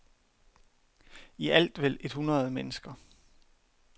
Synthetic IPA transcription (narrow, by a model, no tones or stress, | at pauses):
iʔæl̰d̥ʋel̰e̝d̥hunʁɐð̞̩ˠmenəsɡ̥ɐ